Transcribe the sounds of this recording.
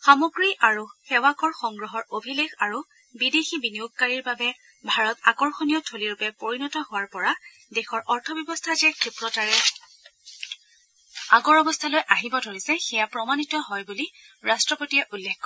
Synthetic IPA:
xamɔɡɹiʔaɹuxɛwakɔɹxɔŋɡɹɔɦɔɹobʱilexaɹu | bidexibiniok̚kaɹiɹbabɛ | bʱaɹɔtakɔɹxonijɔtʰoliɹupɛpoɹinɔtɔhʊwaɹpɔɹa | dɛxɔɹʔɔɹtʰɔbjɔbɔstʰazɛkʰepɹɔtaɹɛ | aɡɔɹɔbɔstʰalojʔaɦibɔdʱolisɛxɛjapɹɔmanitɔɦɔjbuli | ɹastɹɔpotijɛʔulːekːɔ

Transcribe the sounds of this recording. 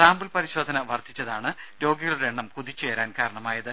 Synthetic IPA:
saːmbulpɐɾiɕo̞ːd̪ʱɐnɐʋɐrt̪ʰit͡ɕːɐðaːɳɨɾo̞ːɡiɣɐɭuɽeeɳːɐmkuðit͡ɕːe̞ːɾaːnkaːɾɐɳɐmaːjɐðɨ

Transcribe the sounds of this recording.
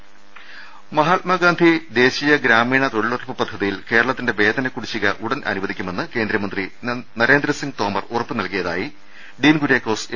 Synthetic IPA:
mɐɦaːt̪̚mɐɡaːnd̪ʱid̪e̞ːɕijɐɡɾaːmiːɳɐt̪o̞ɽiɭorpːɨpɐd̪ʱːɐðijilke̞ːɾɐɭɐt̪ːinde̞ʋe̞ːd̪ɐnɐkuɽit͡ɕːiɣɐʔuɽɐnɐ̰nuʋɐðikʲːume̞nːɨke̞ːnd̪ɾɐmɐnd̪rinɐɾe̞ːnd̪ɾɐsiŋɡ̚t̪o̞ːmɐrurɐpːɨnɐlkijɐða̰ːji | ɖiːnɡuɾeːkːo̞ːs

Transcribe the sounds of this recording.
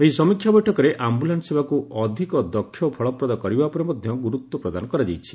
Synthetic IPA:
eɦisɔmikʰjabɔjʈʰɔkɔɾeʔambulanɔsebakuɔd̪ʱikɔd̪ɔkʰːjɔpʰɔɭɔpɾɔd̪akɔɾibapɔɾemɔd̪ʱjɔɡuɾut̪wɔpɾɔd̪anɔkɔɾad͡ʒejt͡ʃʰi̥

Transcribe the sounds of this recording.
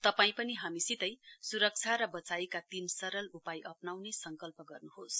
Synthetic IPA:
t̪ʌpaĩpʌniɦamisit̪ʌjsuɾʌk̚t͡sʰaɾʌbʌt͡sajkat̪imsʌɾʌlupajʔʌpnawnesʌŋkʌlpʌɡʌrnuɦos

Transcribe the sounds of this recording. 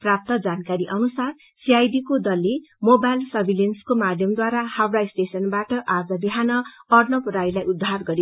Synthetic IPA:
prap̚t̪ʌd͡zankaɾiʔʌnusar | siajdikod̪ʌlːe | mobajlsʌbʱilenskomad̪ʱjʌmd̪waɾahawraisʈesʌnbaʈʌʔad͡zʌbiɦanʌʌrnʌpuɾajlajud̪ʱːarɡʌɾi

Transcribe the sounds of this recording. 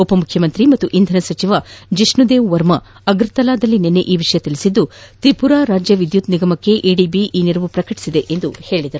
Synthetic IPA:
opɐmukʰjɐmɐnt̪ɾimɐt̪ːuʔind̪ʱɐnɐsɐt͡ʃiʋad͡ʒiʂnud̪eːʋʋɐɾmɐ | ɐɡɾt̪ɐlaːd̪ɐlːinenːeʔiːʋiʂɐjɐt̪iɭisid̪ːut̪ɾipuɾaːɾaːd͡ʒjɐʋid̪jut̪niɡɐmɐkːe̞ʔeːɖiːbiʔiːniɾɐʋupɾɐkɐʈi̥sid̪eʔend̪uhe̞ːɭid̪ɐɾu

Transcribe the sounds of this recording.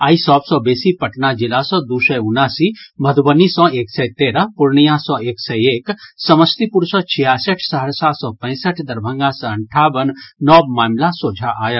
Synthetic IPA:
aːisɔːbsɔ̃besipəʈnad͡ʒilasɔ̃d̪usəjʊnːaːsiməd̪bənisɔ̃eːksɛjt̪eːɾəpuɾɳijãsɔ̃eːksɛjeːksəməst̪ipuɾsɔ̃t͡ʃʰijaːsəʈʰsəɦəɾsaːsɔ̃pə̃ɪsəʈʰd̪ɐɾbʱə̃ŋɡãsɔ̃əɳʈʰaːbənːɔːbmaːmlasoːd͡ʒʱaʔa̰ːjət̪

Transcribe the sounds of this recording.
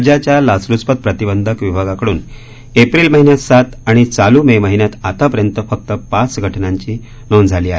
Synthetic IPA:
d͡ʑat͡ɕjalaslut͡spət̪̚pɾət̪ibənd̪ʱəkʋibʱaɡakəɽuːn | epɾiːlməɦinjat̪sat̪aɽ̃it͡saluːmeməɦinjat̪at̪apəɾjənt̪əfək̚t̪əpat͡sɡʱəʈnaɲt͡ɕiː | nond͡zʱaliːaɦe

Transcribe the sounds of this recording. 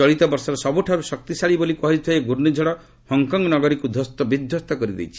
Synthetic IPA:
ɔɭit̪ɔbɔɾsɔɾɔsɔbuʈʰaɾusɔk̚t̪isaɭibolikɔɦid͡ʒt̪ʰɔeɡuɾnid͡ʒʱɔɽɔ | hɔŋkɔŋɡɔnɔɡɔɾikud̪ʱɔst̪ɔbid̪ʱjɔst̪ɔkɔɾid̪ḛjt͡ʃʰi̥

